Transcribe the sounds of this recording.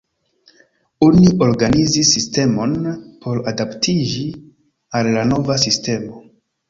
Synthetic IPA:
oniʔo̞ɾɡanizisːiste̞mo̞npʰo̞ɾadaptʰid͡ʒi | alːano̞vasiste̞mo̞

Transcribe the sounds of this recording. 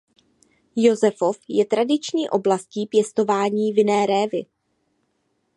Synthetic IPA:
jo̞zɛfo̞fjɛt̪ɾadɪt͡ʃɲiːʔo̞blasciːpjɛst̪o̞vaːɲiːvɪnɛːɾɛːvɪ

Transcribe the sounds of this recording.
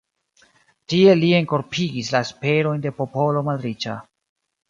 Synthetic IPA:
tie̞lie̞ŋko̞ɾpʰiɡislaespe̞ɾo̞jnde̞po̞po̞lo̞madɾit͡ʃa̰

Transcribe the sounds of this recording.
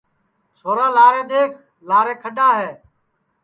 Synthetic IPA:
t͡ʃʰoːɾaːlaːɾẽːd̪eːkʰ | laːɾẽːkʰəɗaːɦeː

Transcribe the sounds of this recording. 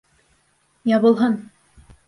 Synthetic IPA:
jɑβɤ̆lˠɦɤn

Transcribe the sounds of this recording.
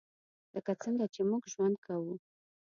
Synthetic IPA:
ləkat͡səŋɡat͡ʃemuɡʒwand̪̚kʰawu

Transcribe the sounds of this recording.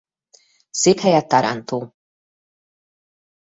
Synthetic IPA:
seːphɛjɛt̪ːaɾʔa̰nt̪oː

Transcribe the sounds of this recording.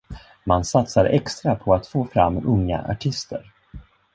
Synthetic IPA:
mansat̪saɾʔɛkst̪ɾapʰɔat̪foːfɾa̰mːɵŋːa̰ʔa̰ʈʰɪst̪ə̰ɾ

